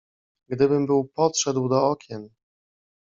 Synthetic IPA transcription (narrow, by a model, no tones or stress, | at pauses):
ɡd̪ɘbɘmbɘwpɔt̪ʂɛd̪wd̪ɔɔkʲɛn